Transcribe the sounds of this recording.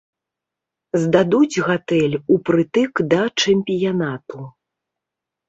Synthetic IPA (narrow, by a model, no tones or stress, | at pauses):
zd̪ad̪ud͡zʲɣat̪ɛlʲupɾɨt̪ɨkd̪ɐt͡ʂɛmʲpʲijanat̪u